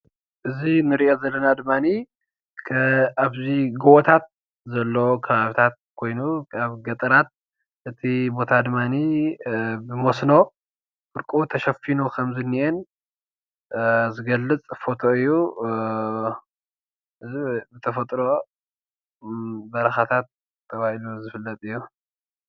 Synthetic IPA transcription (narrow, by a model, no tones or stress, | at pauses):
ʔɨzinɨɾiozɐlːɐnad̪ɨmːani | kʰɐaβziɡowʔɔt̪ʰat̪̚ | zɐlːokʰɐβaβit̪ʰat̪̚kʰo̞jnukʰaβɡɐt̪ʼɐɾat̪̚ | ʔɨt̪ʰibot̪ʰad̪ɨmːani | bɨmosno̞ | fɨɾkʼot̪ʰɐʃɐfinukʰɐmzɨnːiʔen | zɨɡɐlːɨt͡sʼfo̞t̪ʰo̞ɨjːu | ʔɨzibɨt̪ʰɐfɐt̪ʼɾo̞ | bɐɾɐxat̪ʰat̪ | tʰːɐβahiluzɨfɨlːɐt̪ʼɨjːu